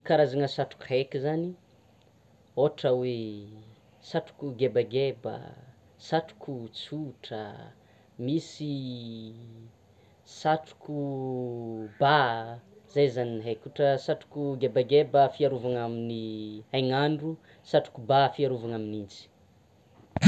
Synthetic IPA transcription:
kaɾazaŋəsaʈ͡ʂu̥khekʲizani | oʈ͡ʂəwe | saʈ͡ʂu̥kuɡebaɡebə̰ | saʈ͡ʂu̥kʰut͡suʈ͡ʂə | misi | saʈ͡ʂu̥kʰu | ba | zajzaninɦekʲuʈ͡ʂəsaʈ͡ʂu̥kuɡebaɡebəfiaɾuvaŋaminiajŋaɳɖ͡ʐu | saʈ͡ʂu̥kubafiaɾuvaŋaminint͡si̥

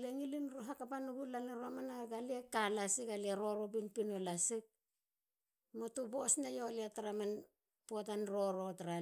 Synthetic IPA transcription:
leŋilinɾoɦakapanuɡulaneɾoamanaɡaliekalasikalieɾo̞ɾobinpinolasik̚ | motubosnajolieataɾaman | potanɾo̞ɾo̞taɾa

